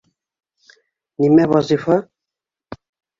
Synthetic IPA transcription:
nimɛβɑzifɑ

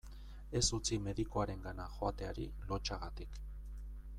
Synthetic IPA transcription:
e̞sut͡sime̞ðikoaɾe̞ŋɡanaxo̞at̪e̞aɾḭlo̞t͡ʃaɣat̪ik

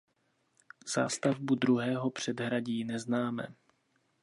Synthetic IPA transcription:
z̥a̰ːst̪avbud̪ɾuɦɛːɦo̞pr̝̥ɛdɦɾaɟiːnɛznaːmɛ̰

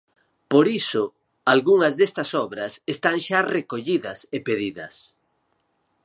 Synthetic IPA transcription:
poɾisʊ | alɣuŋɐzðest̪ɐsɔβɾɐsest̪aŋʃarekoʎiðɐsepeðiðɐ̰s

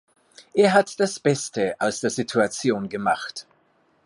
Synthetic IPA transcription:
ʔeːɐɦatd̥asb̥ɛstəʔaʊsd̥eːɐzitʰuat͡sjoːnɡəmaχt

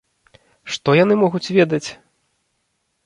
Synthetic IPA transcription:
ʂt̪ɔjanɨmɔɣut͡sʲvʲɛd̪ɐt͡sʲ

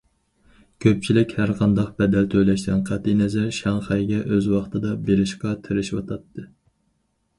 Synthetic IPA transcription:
kʲʰøp̚t͡ʃʰilɪkʲhæɾqʰɑnd̪ɑq̚bɛd̪ɛlt̪ʰøjlɛʃt̪ɛnqʰæt̪ːinɛzɛɾʃɑŋχɑjɡʲɛʔøzwɑχt̪ʰɨd̪ɑbeɾɪʃqɑt̪ʰɪɾɪʃwɑ̰t̪ʰɑt̪ʰːɨ

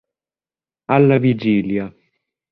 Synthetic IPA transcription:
alːavid͡ʒiːlja

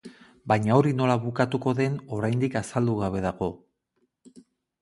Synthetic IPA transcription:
bajɲao̞ɾino̞laβukat̪uko̞ðe̞no̞ɾajnd̪ikasald̪uɣ̞aβ̞e̞ðaɣo̞

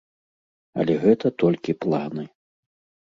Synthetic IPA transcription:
ɐ̰lʲɛɣɛt̪ɐt̪ɔlʲkʲiplˠanɨ

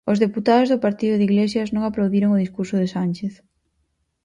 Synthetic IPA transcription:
ʊzðeput̪aðʊzðʊpaɾt̪iðʊðiɣlesjɐznõŋaplawðiɾoŋʊðiskuɾsʊðɪsanʲt͡ʃeθ

